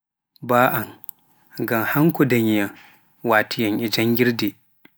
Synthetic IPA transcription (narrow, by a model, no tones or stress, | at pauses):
baːʔan | ɡamhaŋkɔdaɲijaŋ | waːtʰijaŋʔid͡ʒaŋɡʲiɾdi